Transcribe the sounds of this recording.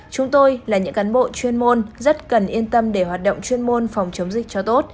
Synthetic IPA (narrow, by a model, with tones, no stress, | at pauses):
t͡ɕʊ˨˦ŋ͡mt̪o˧jlaː˨˩ɲɨ̰˧˥ŋkaː˨˦nɓo̰˧˨t͡ɕwi˧ənmo˧nzə˦˥t̚kə˨˩nʔi˧ənt̪ə˧mɗe˧˩ɦwaː˨˩t̚ɗə̰˧˨wŋ͡mt͡ɕwi˧ənmo˧nfɔ˨˩wŋ͡mt͡ɕə˨˦wŋ͡mzï˨˩k̟̚t͡ɕɔ˧t̪o˦˥t̚